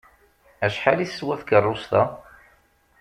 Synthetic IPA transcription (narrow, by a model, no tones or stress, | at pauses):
æʃħalisːwæθkərˤːʊst̪ɑ